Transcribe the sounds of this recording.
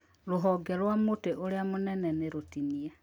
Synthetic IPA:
loɦɔɡɛɾwamoteʔoɾeamonɛnɛneɾotiniɛ

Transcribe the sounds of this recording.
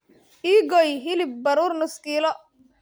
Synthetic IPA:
ʔiːɡɔjɦɪlɪb̚bɐɾuːrnʊskiːlɔ

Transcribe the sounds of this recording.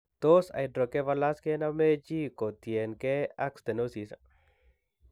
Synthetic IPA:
t̪osa̰jdɾokeβalaskenamet͡ʃikot̪jenkeakst̪enosisa̰

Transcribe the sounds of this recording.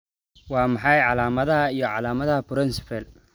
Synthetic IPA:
wɑːmɑħɑjʕɑlaːmɐðɐɦɐijɞʕɑlaːmɐðɐɦɐpɾɪnsɪ̥fɛl

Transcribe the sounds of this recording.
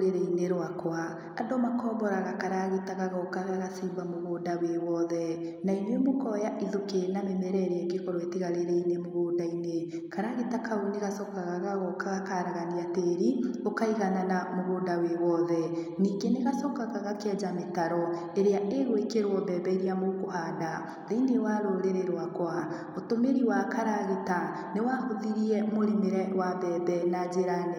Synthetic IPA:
ɾeɾeineɾwakwa | adomakɔːbɔɾaɣakaɾaɣitaɣaɣaokaaɣasiːbamoɣoːdawewɔðɛnainwemokɔjaʔiðokenamemɛɾɛeɾeɛɡekɔɾwetiɣaɾeɾeinemoɣoːndaine | kaɾaɣitakʰaoneɣasɔkaɣaɣaɣɔkaɣakaɾaɣaniateɾiokaiɣananamoɣoːndawewɔðɛniːɡeneɣasɔkaɣaɣakɛd͡ʒametaɾɔ | eɾeaʔeɣwekeɾwɔbɛbɛeɾiamokohaːnda | ðeinewaɾoɾeɾeɾwakwa | otomeɾiwakaɾaɣeta | newahoðiɾiɛmoɾemeɾɛwabɛːbɛnad͡ʑeɾanɛ

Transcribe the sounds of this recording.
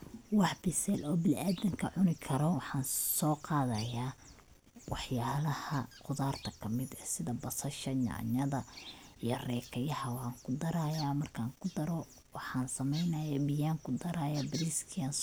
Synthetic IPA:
wɑħbɪsɛlɔːbɪlʔaːd̪ɐŋkʰɐʕʊnɪkʰɐɾɔwɑħɑːnsɔːqɑːðɐjaː | wɑħjaːlɐhɐqʊðaːrt̪ʰɐkʰɐmɪd̪ɛːsɪðɐbɐsɐʃɐɲɑ̰ʕɲɐðɐijɔrɛːkʰɐjɐhɐwaːŋkʰʊd̪ɐɾaːjaːmɐrkʰaːŋkʰʊd̪ɐɾɔ | wɑħɑːnsɐmɛjnɐjaːbɪjaːŋkʰʊd̪ɐɾaːjaːbɪɾiskʰiɐns

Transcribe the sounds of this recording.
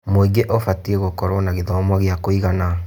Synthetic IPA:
moiɡeʔɔfatieɣokɔɾwɔnaɣeðɔmɔɣjakoiɣana

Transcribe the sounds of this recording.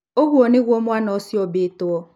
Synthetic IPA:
oɣuoneɣʷomʊanɔsɪɔbetʊɔ

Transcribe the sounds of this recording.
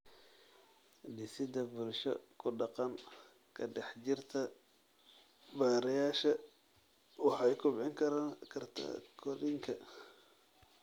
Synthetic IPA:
ɖɪsɪd̪ɐbʊlʃɔ̰kʰʊɖɑqɑŋ | kʰɐɖɛħt͡ʃɪrt̪ʰɐ | baːɾɐjaːʃɐ | wɑħɑɛjkʰʊbʕɪŋkʰɐɾaːnkʰɐrt̪ʰɐ̰kʰɔɾɪŋkʰɐ

